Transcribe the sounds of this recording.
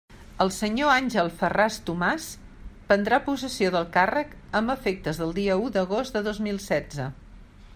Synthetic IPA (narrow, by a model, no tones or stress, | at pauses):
əlˠsəɲoanʲʒəlˠfərast̪umas | pənd̪ɾapusəsioðəlˠkarək | əmbəfek̚t̪əzðəlˠd̪iəud̪əɣozd̪əðozmilˠsɛd͡zə